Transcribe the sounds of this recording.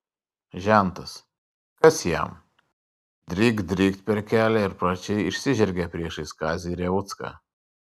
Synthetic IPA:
ʒʲænt̪ɐs | kɐsjæ̰m | d̪ʲɾʲiːɡd̪ʲɾʲiːkt̪̚ʲpʲɛɾʲkʲæːlʲɛɪɾpɾɐt͡ʃʲɛjɪʃʲsʲiʒʲɛɾʲɡʲæpʲɾʲiɛʃiskaːzʲiːɾʲɛvut̪ska̰ː

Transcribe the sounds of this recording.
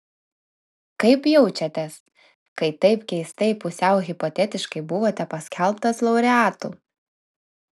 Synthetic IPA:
kɐɪpjɛʊt͡ʃʲɛt̪ʲɛs | kɐɪt̪ɐɪpkʲɛɪst̪ɐɪpʊsʲɛʊɣʲɪpɔt̪ʲɛt̪ʲɪʃkɐɪbʊʋoːt̪ʲɛpɐsʲkʲʰɛlˠˑpt̪ɐslˠɐʊɾʲɛɑːt̪ṵː

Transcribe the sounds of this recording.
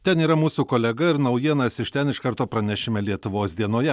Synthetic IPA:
t̪ʲɛniːɾɐmuːsuːkoːlʲɛɡɐɪɾnɐʊjiɛnɐsɪʃt̪ʲɛnɪʃkɐɾt̪oːpɾɐnʲæʃʲɪmʲɛlʲiɛt̪ʊʋoːsd̪ʲiɛnoːjɛ

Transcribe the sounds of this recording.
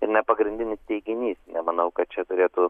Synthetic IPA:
ɪɾnʲɛpɐɡɾʲɪnʲd̪ʲɪnʲɪst̪ʲɛɪɡʲɪnʲiːsnʲɛmɐnɐʊkɐt̪̚t͡ʃʲɛt̪ʊɾʲeːt̪ʊ

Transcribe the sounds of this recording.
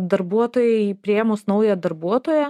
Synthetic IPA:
d̪ɐɾbuɔt̪oːjɛɪpʲɾʲieːmʊsnɐʊjɛd̪ɐɾbuɔt̪oːjɛ

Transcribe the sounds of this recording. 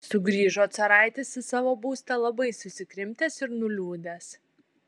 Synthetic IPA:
sʊɡɾʲiːʒoːt̪sɐɾɑˑɪt̪ʲesʲɪsɑːʋoːbuːst̪ɐlˠɐbɐɪsʊsʲɪkɾʲɪmʲt̪ʲɛːsɪɾnʊlʲuːd̪ʲɛs

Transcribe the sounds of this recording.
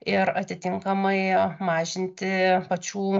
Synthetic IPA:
ɪɾɐt̪ʲɪt̪ʲɪŋkɐmɐɪmɑːʒʲɪnʲt̪ʲɪpɐt͡ʃʲuː

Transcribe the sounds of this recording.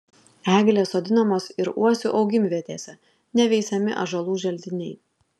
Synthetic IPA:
æːɡʲlʲeːsoːd̪ʲɪnɐmoːsɪɾṵɔsʲʊʔɒʊɡʲɪmʲʋʲiɛt̪ʲeːsʲɛ | nʲɛʋʲɛɪsʲɛmʲɪ̰ʔɐ̰ʒɐlˠuːʒʲɛlʲd̪ʲɪnʲɛɪ

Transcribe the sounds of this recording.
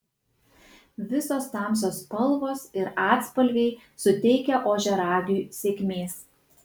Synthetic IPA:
ʋʲɪsoːst̪ɑˑms̬oːspɐlˠˑʋoːsɪɾɑːt̪spɐlʲɡʲɛɪ | sʊt̪ʲɛɪkʲɛʔoːʒʲɛɾɑːɡʲuːˑsʲeːkʲmʲeːs

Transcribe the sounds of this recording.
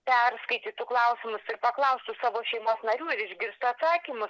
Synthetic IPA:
pʲɛrskɐɪt̪ʲit̪uːklˠɐʊsʲɪmʊsɪrpɐklˠɐʊst̪ʊsɑːʋoːʃʲɛɪmoːsnɐɾʲuːɪɾɪʒʲɡʲɪɾst̪ʊɐt̪sɑːkʲimʊs

